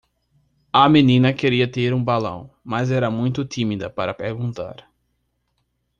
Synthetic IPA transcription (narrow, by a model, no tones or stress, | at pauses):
ɐmenĩnɐkeɾiɐt̪eɾũbalɐ̰̃w̃mɐzɛɾɐmũj̃t̪ʊt̪imid̪ɐpaɾɐpeɾɡũnt̪a̰ɾ